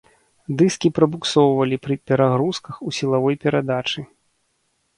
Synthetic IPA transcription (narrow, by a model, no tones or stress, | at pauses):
d̪ɨskʲipɾɐbuksɔwvɐlʲipɾɨpʲɛɾaɣɾuskɐxusʲilˠavɔjpʲɛɾad̪at͡ʂɨ